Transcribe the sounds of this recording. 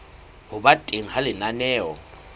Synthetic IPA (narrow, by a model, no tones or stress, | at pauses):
hʊbatʼeŋ̩ɦalɪnanɛːwɔ̰